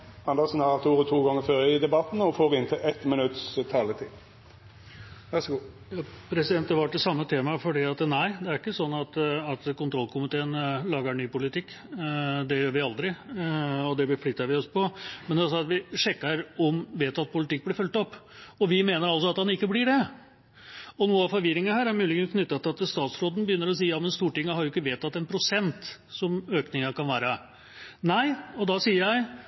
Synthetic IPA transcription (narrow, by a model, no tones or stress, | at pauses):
ɑnd̪əsn̩hɑt̪ʰuːɾɔt̪ʰuːɡɔŋːəɾføːɾəɪd̪ɛbɑt̪n̩ɔfoːɾɪnt̪ʰɪʔɛt̪mɪnʉt̪st̪ʰɑːlət̪ʰḭː | ʋæsɡu | jɑːpʰɾɛsɪd̪ɛnt̪d̪əʋɑʈ̪̚ːɛsɑmːət̪ʰeːmɑfɔɖiːɑt̪næɪd̪ɛæɾɪkːəsɔnːɑt̪ɑt̪kʊnt̪ʰɾɔlːkʰʊmɪt̪ʰeːənlɑːɡəɳyːpʊlɪt̪ɪkː | d̪ɛjøːɾʋɪɑld̪ɾɪ | ɔd̪ɛblɪflɪt̪ːɑʋɪɔspɔmɛnd̪ɛɑlsɔɑt̪ʋɪʂɛkːəɾɔmʋeːt̪ɑt̪̚pʰʊlɪt̪ɪkːblɪɾfœlt̪ɔpːɔʋɪmeːnəɾɑls̬ɔɑt̪hɑnɪkːəblɪɖɛ | ɔnuːəɑʋfɔɾʋɪɾɪŋənhæːɾæɾmʉːlɪɡɛnskʰnʏt̪ːɑt̪ɪɑt̪st̪ɑːt̪sɾoːd̪n̩bəjʏnːəɾɔs̬iːjɑːmɛnst̪uːʈɪŋːəhɑɾjʊɪkːəʋeːt̪ɑt̪ːɛnpʰɾʊsɛnt̪sɔmøːknɪŋəkɑnʋæːɾə | næɪɔd̪ɑsiːəɾjæɪ